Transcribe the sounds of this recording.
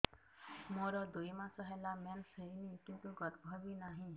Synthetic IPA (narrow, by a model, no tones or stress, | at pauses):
moɾɔd̪uimãsɔɦɛlamɛnsəinikĩnt̪uɡɔt̪bʱɔbinaɦĩ